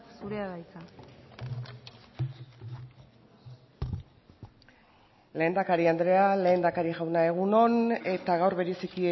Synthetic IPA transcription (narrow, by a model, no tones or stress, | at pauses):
suɾeaβajt̪a | le̞ːnd̪akaɾiand̪ɾe̞ale̞ːnd̪akaɾiɣawnae̞ɣuno̞ne̞t̪aɣawɾβe̞ɾe̞siki